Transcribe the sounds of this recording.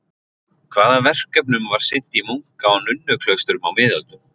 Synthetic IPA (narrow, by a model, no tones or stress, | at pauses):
kʰvaːðavɛr̥kːɛp̬nʏmvaɾ̥sɪn̥t̪imuŋ̥kaawnʏnːʏkʰlœɥst̪ʏɾʏmawmɪːðœlt̪ʏ